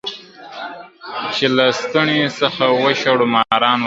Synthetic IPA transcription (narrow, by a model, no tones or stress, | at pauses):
t͡ʃelast̪aɳesɐxawəʃaɽʊmɑɾɑːn